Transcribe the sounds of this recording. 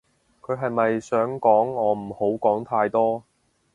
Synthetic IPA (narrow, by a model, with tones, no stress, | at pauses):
kʰɵ˨˧ɦɐ˨jmɐ˨jsœː˨˥ŋkɔː˨˥ŋɔː˨˧m̩˨˩ho˨˥wkɔː˨˥ŋt̪ʰaː˧jt̪ɔː˥